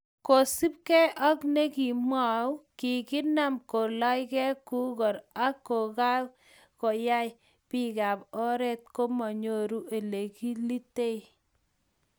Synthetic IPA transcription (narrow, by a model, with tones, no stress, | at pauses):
ko˨si˦p̚kɛ˦ʔɔ˦kne˦ki˨mwa˨wki˨kɪ˦na˦˨mko˨lɔ˦jkɛ˦ku˦ɡɔ˨ɾa˦kːo˨ka˦w | ko˨ja˦j | pi˦ka˨pɔ˦ɾɛ˦t̪̚ko˦mɔ˨ɲo˦˨ɾu˦ʔe˨le˨ki˦li˦te˦i